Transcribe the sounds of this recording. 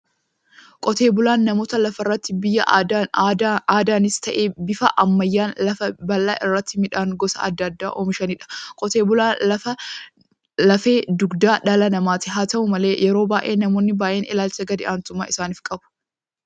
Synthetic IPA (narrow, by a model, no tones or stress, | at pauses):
kʼɔt̪e̞ːbʊlaːnːɐmo̞ːt̪ɐlɐfɐrːɐt̪ːɪbɪjːɐ̰ | aːd̪aːnɪst̪ɐʔeːbɪfɐʔɐmːɐjːaːnlɐfɐbɐlːa̰ːʔɪrːɐt̪ːɪmɪᶑaːŋɡɔsɐ̰ɐ̰d̪ːɐd̪ːa̰ːʔoːmɪʃɐnɪᶑɐ̥kʼɔt̪e̞ːbʊlaːɐfɐ | lɐfe̞ːd̪ʊɡd̪aːᶑɐlɐnɐmaːt̪ɪɦaːt̪ɐʔʊmɐle̞ːjʔɛɾo̞ːbaːʔe̞ːnɐmo̞ːnːɪbaːʔe̞ːnɪlaːlt͡ʃɐɡɐd̪ɪʔaːnt̪ʊmːaːɪsaːnɪːfkʼɐbʊ̥